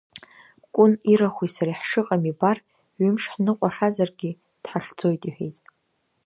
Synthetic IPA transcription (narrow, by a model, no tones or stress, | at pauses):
kʷʼʊniɾaχʷwisaɾiħʂɨqʼamibar | ɥɪmʂħnɨqʷʼaʂazarɡʲɪ | d̥ħaɬd͡zo̞jtʼiħejtʼ